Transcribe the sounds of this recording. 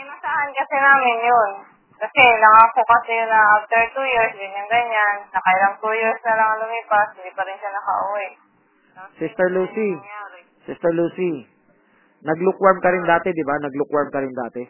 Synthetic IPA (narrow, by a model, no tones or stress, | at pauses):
ɐmɐsaʔankɐsɛnaːmɪnjon | kɐsɛnɐŋakʊkɐsɛjʊnɐʔaft̪ɛɹt̪ujɪɹsɡɐɲaŋɡɐɲanːɐkajlɐŋt̪uːjɪɹsnɐlɐŋɐlʊmiːpas̚hɪnd̪ipɐɾɪnʃanɐkɐʔʊwɛʔ | sist̪ɛɹluːsi | sɪst̪ɛɹluːsi | nɐɡlʊkwaɹmkɐɾɪnd̪aːt̪ɛd̪ɪbanɐɡlʊkwaɹmkɐɾɪnd̪aːt̪ɛ